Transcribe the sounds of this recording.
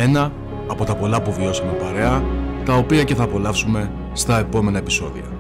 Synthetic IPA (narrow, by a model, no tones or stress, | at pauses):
e̞nɐː | po̞t̪ɐpo̞lɐpuvio̞sɐme̞pɐɾe̞ɐt̪ɐo̞piɐce̞θɐːpo̞lɐfsume̞ | st̪ɐe̞po̞me̞nɐe̞pi̥so̞ðḭɐ̰